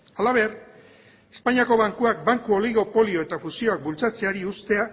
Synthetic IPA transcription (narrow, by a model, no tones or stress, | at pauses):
alaβe̞r | espaɲiako̞β̞aŋkuak̚baŋkuo̞liɣo̞po̞lio̞e̞t̪afusio̞ak̚bult͡sat͡se̞aɾiust̪e̞a